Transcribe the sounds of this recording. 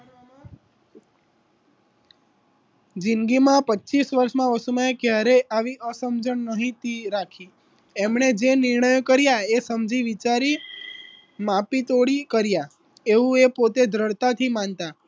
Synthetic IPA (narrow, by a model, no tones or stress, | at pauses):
d͡ʒinɡimãpətːt͡ʃisʋəɾʃmãʋəsumaekjaɾeʔaʋiʔəsəmd͡ʒəɳnəɦĩt̪iɾakʰi | emɳed͡ʒenɪɾɳəjokəɾjaesəmd͡ʒiʋit͡ʃaɾi | mapit̪oɽikəɾja | eũepot̪ed̪ʱɾəɽt̪at̪ʰimãnt̪a